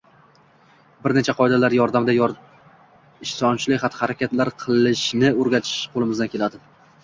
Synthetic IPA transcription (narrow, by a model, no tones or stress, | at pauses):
bɪɾnet͡ʃʰaqʰɒed̪alaɾjɒɾd̪amd̪aj | ɪʃsɒnt͡ʃʰɪlɪχat̪ʰhaɾakʲat̪laɾqʰɨlˠɪʃnɪoɾɡʲat̪ʰɪ̥ʃqʰolˠɪmɪzd̪ankʰʲe̞lad̪ɪ